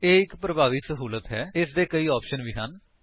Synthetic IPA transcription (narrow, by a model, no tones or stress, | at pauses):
eːɪkpɾəbaːʋiːsəɦuːlət̪ɦɛːɪsd̪eːkəiːɔːpʃənʋiːɦən